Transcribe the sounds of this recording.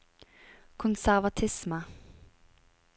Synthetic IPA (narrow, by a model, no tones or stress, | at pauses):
kʰɔnsæɾvat̪ʰɪsmə